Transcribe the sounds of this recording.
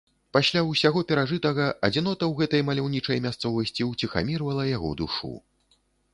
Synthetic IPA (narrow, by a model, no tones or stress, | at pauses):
pasʲlʲawsʲaɣɔpʲɛɾaʐɨt̪ɐɣɐʔɐd͡zʲinɔt̪ɐwɣɛt̪ɐjmɐlʲawnʲit͡ʂɐjmʲast̪sɔvɐsʲt͡sʲiwt͡sʲixa̰mʲirvɐlˠɐjaɣɔ̰d̪ṵʂṵ